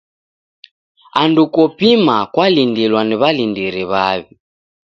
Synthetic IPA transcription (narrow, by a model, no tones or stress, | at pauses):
andukɔpimakwalindilwaniβalindiɾiβaβi